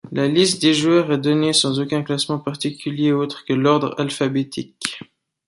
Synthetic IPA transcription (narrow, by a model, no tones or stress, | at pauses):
lalist̪̚d̪eʒwœːʁɛd̪ɔnesɑ̃zokʲɛ̃klasmɑ̃paʁt̪ikʲyljeot̪χəkəlɔʁd̪ʁa̰lfabet̪ʰik